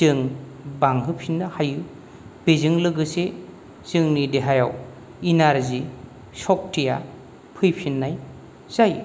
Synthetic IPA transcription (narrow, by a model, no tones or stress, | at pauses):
tɯŋ | baŋɦɯpʰinːɐhajɯ | bezɯŋlɯɡɯse | z̥ɯŋnideɦajaw | inaɾzi | sɔk̚tʰija | pʰɯjpʰinːaj | z̥aj